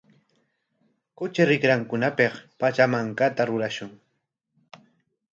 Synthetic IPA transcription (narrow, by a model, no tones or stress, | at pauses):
kʊt͡ʃɪɾɪkɾaŋkʊnapeχpat͡ʃamaŋkat̪aɾʊɾaʃʊŋ